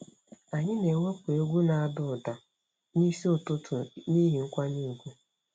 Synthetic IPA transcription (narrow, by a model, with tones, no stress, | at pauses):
a˨ɲɪ˦ne˨wa˦kʷe˦ɡʷu˦na˨a˨dʊ˨da˨ | ni˦si˦ʊ˨tʊ˦tʰʊ˨ni˦ɦi˨ŋ̩˦kʷa˦ni˦˨ɡʷu˦